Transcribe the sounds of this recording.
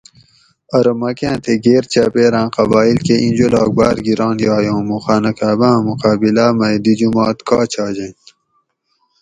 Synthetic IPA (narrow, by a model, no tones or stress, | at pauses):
ɐɾomɐkẽːt̪ʰeɡeːɾt͡ɕa̰peːɾãːqɐbaːilkeʔĩnd͡ʑolɑːk̚baːɾɡiɾɑ̃ːnjɑːjõːmuxaːnɐkaːbãːmuqaːbilaːmɐjd̪id͡ʑumɑːt̪kʰɑːt͡ɕʰaːd͡ʑɐ̃